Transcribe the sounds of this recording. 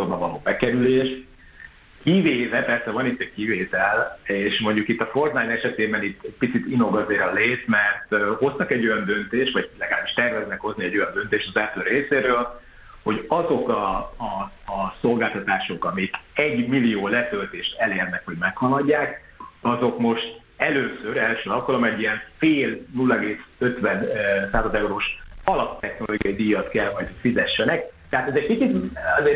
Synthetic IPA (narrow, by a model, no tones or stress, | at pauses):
ombɒvɒloːbɛkɛɾyleːʃ | kiveːvɛpɛrsɛvɒnit̪ːɛckiveːt̪ɛleːʃmo̞ɲɟukit̪ːɒfo̞rt̪naːnɛʃɛt̪eːbɛnit̪ʰːɛɟ̚pit̪sit̪ino̞ɡɒzeːɾɒleːsmɛrt̪o̞st̪ɒkɛɟːo̞jɒnd̪ø̞nt̪eːʃt̪vɒɟlɛɡaːlbiʃt̪ɛrvɛznɛkho̞zniɛɟo̞jɒnd̪ø̞nt̪eːʃt̪ɒzɛlt̪øːreːseːɾøːl | ho̞ɟɒzo̞kɒː | so̞lɡaːlt̪ɒt̪aːʃo̞kɒmikɛɟmilijoːlɛt̪ø̞lt̪eːʃt̪ɛleːrnɛkho̞ɟmɛkhɒlɒɟːaːk | ɒzo̞kmo̞ʃt̪ | ɛløːsøɾɛlʃøːɒp̚kɒlomɛɟijɛɱfeːlnulːɒɛɡeːsøt̪vɛnsaːzɒzɛuɾoːʃɒlɒpt̪ɛxnoloːɡijɒid̪ijɒt̪kɛlɦɒjt̪hocfizɛʃːɛnɛk̚t̪ɛɦaːt̪ɛzɛc̚pit͡ʃit̪ɛzeːr